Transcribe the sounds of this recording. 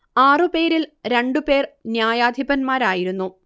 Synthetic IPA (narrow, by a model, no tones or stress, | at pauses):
aːrɨpe̞ːɾilɾe̞ɳɖupe̞ːrnjaːjaːd̪ʱibɐnmaːɾaːjiɾunːu